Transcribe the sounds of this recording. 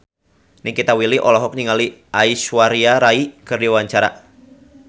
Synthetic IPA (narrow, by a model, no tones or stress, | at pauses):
nɪŋkit̪awiliʔɔlɔɦɔk̚niŋaliaiswaɾiaɾaikɨrdiwaɲt͡ʃaɾa